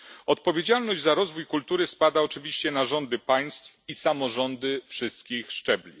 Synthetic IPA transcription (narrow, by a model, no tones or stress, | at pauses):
ɔt̪pɔvʲjed͡ʑalnɔʑd͡ʑzaɾɔzvujkult̪uɾɘspad̪aɔt͡ʂɘvʲiɕt͡ɕɛnaʐɔnd̪ɘpaj̃st̪fisamɔʐɔnd̪ɘfʂɘst̪̚kʲixʂt͡ʂɛblʲḭ